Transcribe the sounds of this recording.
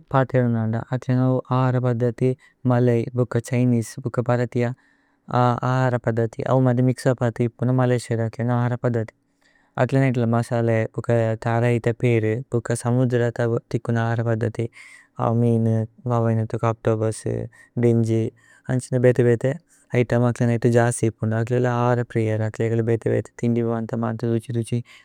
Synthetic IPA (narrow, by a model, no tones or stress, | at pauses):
paːt̪eːɽunɐːɳɖɐ̰ʔɐt̪ɐnɐuʔaːɦaɾɐpɐd̪ʱːɐt̪i | mɐlejbukːɐt͡ʃɐjniːsbukːɐpɐɾɐt̪ijɐ | aa̰ːɦaːɾɐpɐd̪ʱːɐt̪ḭʔɐ̰ʋumɐd̪imiksɐpat̪iːpːunɐmɐleːʃɐɾɐkɐnaːɦaːɾɐpɐd̪ʱːɐt̪i̥ | ɐ̰ʈlɐneʈlɐmɐsaːlebukːɐt̪aːɾɐit̪ɐpeːɾɨpukɐsɐmud̪ɾɐt̪ɐt̪ikːunɐaːɦaɾɐpɐd̪ʱːɐt̪i | a̰ːmiːnʋɐːʋɐjnɐt̪ukaːk̚ʈoːbɐsɨ̰ | ɖiɲd͡ʒi | ɐɲt͡ʃinɐbeːt̪ɐbeːt̪e | ɐjʈɐmɐklɐnɐjt̪ud͡ʒaːst̪ipːuɳɖuɐk̬lelɐaːɾɐpɾijɐɾɐkleːɡɐlɐbɛːt̪ɐbḛːt̪e̥t̪iɳɖiʋɐʋɐnt̪ɐma̰ːnt̪ud̪ut͡ʃid̪ut͡ʃi